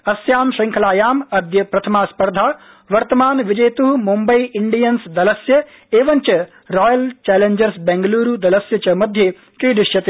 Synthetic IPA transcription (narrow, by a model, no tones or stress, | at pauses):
ɐsjaːmʃɪŋkʰɐlaːjaːmɐd̪jɐpɾɐt̪ʰɐmaːspɐɾd̪ʱaː | ʋɐɾt̪ɐmaːnʋɪd͡ʒɐjt̪uɦumumbɐiʔɪɳɖijɐnsd̪ɐlɐsjɐ | eːʋɐnt͡ʃɐ | ɾɔːjɐlt͡ʃɛːleɲd͡ʒɐɾsbɛːŋɡɐluːɾud̪ɐlɐsjɐt͡ʃɐmɐd̪ʱje | kiːd̪ɪʃjɐt̪i